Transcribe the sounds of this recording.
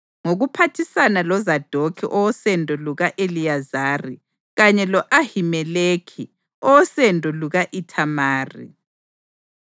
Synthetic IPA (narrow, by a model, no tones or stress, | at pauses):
ŋoɣupʰatʰisanalɔzad̥ʱokʰḭʔɔwɔsɛndʱɔluɣaʔelijazaːri | ɣaɲɛlɔʔahimɛleːkʰi | ɔɔsɛndʱʼɔluɣaʔitʰamaːrḭ